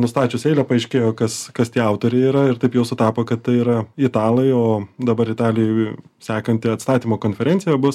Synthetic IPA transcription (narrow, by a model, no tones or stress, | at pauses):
nʊst̪ɑːt͡ʃʲʊseɪlʲɛpɐɛɪʃʲkʲeːjoːkɐskɐst̪ʲiɛɐʊt̪oːɾʲɛɪiːɾɐɪɾt̪ɐɪpjɛʊsʊt̪ɑːpoːkɐt̪t̪ɐɪiːɾɐɪt̪ɑːlˠɐɪoːd̪ɐbɐɾɪt̪ɑːlʲɪjɛɪ | sʲæːkɐnʲt̪ʲɪɐt̪st̪ɑːt̪ʲiːmoːkoːnʲfʲɛɾʲɛnʲtt͡s̪ʲɪjɛbʊs